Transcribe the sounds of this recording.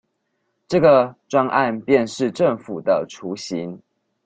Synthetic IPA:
ʈ͡ʂɤ˥˩ɡə˨ʈ͡ʂwa˦ŋʔa˥˧npjɛ˥˨˧nʂɻ̩˥˨˧ʈ͡ʂə˥˨˩ŋfu˨˩d̪ə˦ʈ͡ʂʰu˨˧˦ɕi˨˦ŋ

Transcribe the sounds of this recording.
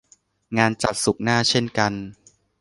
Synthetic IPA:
ŋaː˧nt͡ɕa˨˩p̪̚su˨˩k̚naː˥˩t͡ɕʰe˥˩nka˧n

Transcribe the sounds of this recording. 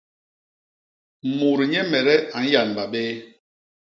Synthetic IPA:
mu˨ɾi˨ɲɛ˦mɛ˨ɾɛ˦a˨n̩˦ja˨n˨ba˨ɓɛː˦

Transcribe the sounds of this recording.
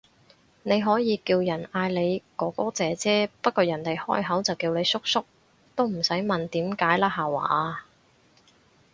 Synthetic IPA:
ne˨˧jɦɔː˨˥jiː˨˧kiː˧wjɐ˨˩naː˧jle˨˧jkɔː˨˥kɔː˥t͡sɛː˨˧t͡sɛː˥pɐ˥t̚kɔː˧jɐ˨˩nt̪e˨jhɔ̰ː˥jɦɐ˨˥wt͡sɐ˨wkiː˧wne˨˧jsʊ˥k̚sʊ˥k̚ | t̪o˥wm̩˨˩sɐ˨˥jmɐ˨nt̪iː˨˥mkaː˨˥jlaː˥ɦaː˨wa̰ː˧ʔa˧

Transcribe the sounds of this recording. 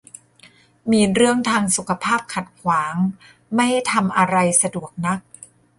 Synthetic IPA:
miː˧ɾɯ˥˩əŋt̪ʰaː˧ŋsu˨˩kʰa˧pʰaː˥˩p̚kʰa˨˩t̪̚kʰwaː˩˦ŋ | ma˥˩jha˥˩jt̪ʰa˧mʔa˧ɾa˧jsa˧du˨˩ək̚na˦˥k̚

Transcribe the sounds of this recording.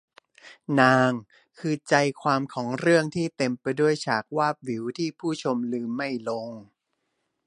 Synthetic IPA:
naː˧ŋ | kʰɯː˧t͡ɕa˧jkʰwaː˧mkʰɔː˩˦ŋɾɯ˥˩əŋt̪ʰiː˥˩t̪e˧mpa˧jdu˥˩əjt͡ɕʰaː˨˩k̚waː˥˩p̚wi˩˦wt̪ʰiː˥˩pʰuː˥˩t͡ɕʰo˧mlɯː˧mːa˥˩jlo˧ŋ

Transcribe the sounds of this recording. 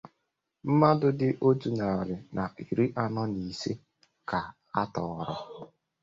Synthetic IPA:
m̩˦ma˦dʊ˦dɪ˦ʔo˦tu˨na˨ɾɪ˨nʔa˨i˨ɾi˦ʔa˦nɔ˦ni˨se˦ | ka˨ | a˦tɔ˨ɾɔ˦

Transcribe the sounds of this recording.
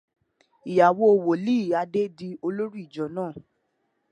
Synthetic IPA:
i˨ja˨wo˧˦o˧wo˨li˦i˦˨a˧de˦di˧o˧lo˦ɾi˦i˦˨d͡ʒɔ˨˦nãː˦˨

